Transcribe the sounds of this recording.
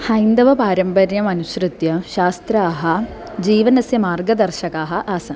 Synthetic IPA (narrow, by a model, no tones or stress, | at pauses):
hɐjnd̪ɐʋɐpaːɾɐmpɐɾjɐmɐnuɕɾɨt̪jɐʃaːst̪ɾaːɦɐ | d͡ʑiːʋɐnɐsjɐmaːrɡɐd̪ɐrʃɐkaːɦɐʔaːsɐ